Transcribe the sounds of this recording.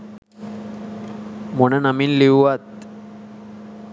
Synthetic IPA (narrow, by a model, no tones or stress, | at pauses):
monanamiːnliwʋat̪̚